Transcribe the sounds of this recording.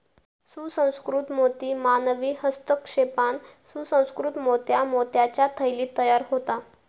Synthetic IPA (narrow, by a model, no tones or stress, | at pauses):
susə̃w̃skɾut̪mot̪iːmanəʋiːɦəst̪əkʂepansusə̃w̃skɾut̪mot̪jamot̪jat͡ɕjat̪ʰəjliːt̪əjaɾɦot̪a